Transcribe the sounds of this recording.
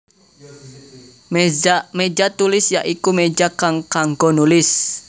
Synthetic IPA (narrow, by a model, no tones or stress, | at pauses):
med͡ʒat̪ulɪsjaʔikumed͡ʒakaŋkaŋɡɔnulɪs